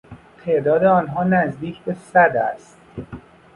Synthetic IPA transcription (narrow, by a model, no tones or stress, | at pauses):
t̪ʰe̞ʔd̪ɒːd̪e̞ɒːnɦɒːnæzd̪iːcʰbe̞sæd̪æ̰st̪̚